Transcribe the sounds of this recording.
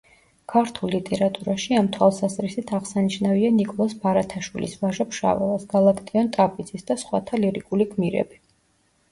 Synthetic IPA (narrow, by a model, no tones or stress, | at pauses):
kʰaɾt̪ʰulˠːit̪ʼɛɾat̪ʼuɾaʃiamt̪ʰwalˠsazɾisit̪ʰaʁsaniʃnavianikʼɔlˠasbaɾat̪ʰaʃwḭlʔḭsvaʒapʰʃa̰vɛ̰lˠasɡ̥alˠakʰt̪ʼiɔnt̪ʼapʼid̪z̥isd̪asχwa̰t̪ʰaliɾikʼuliɡʰmiɾɛ̰bi